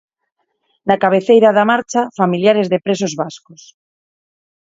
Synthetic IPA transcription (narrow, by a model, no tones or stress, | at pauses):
nakaβ̞eθejɾaðamaɾt͡ʃafamiljaɾezðepɾesozβaskos